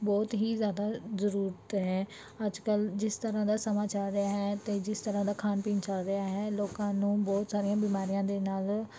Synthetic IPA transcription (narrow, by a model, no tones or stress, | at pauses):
bɔːt̪ɦiːzjaːd̪aːzəɾuːɾət̪ɦɛ̃ː | əd͡ʒkəld͡ʒɪst̪əɾãːd̪aːsəmaːt͡ʃalɾɪaːɦɛːt̪eːd͡ʒɪst̪əɾãːd̪aːkʰaːnpiːnt͡ʃəlɾɪaːɦɛːloːkãːnũːbɔːt̪saːɾijãːbiːmaːɾijãːd̪eːnaːl